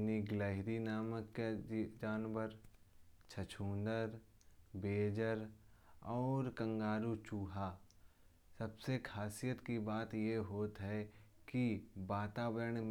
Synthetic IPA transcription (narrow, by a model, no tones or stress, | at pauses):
niɡləɦɪɾinaːməkːed͡ʒaːnbəɾ | t͡ʃʰət͡ʃʰũːnd̪əɾ | beːd͡ʒəɾɔːɾkə̃ŋɡaːɾut͡ʃuːɦa | sɐbsekʰaːsijət̪kibaːt̪jeɦoːt̪ɦɛ | kibaːt̪aːbəɾəɳ̃m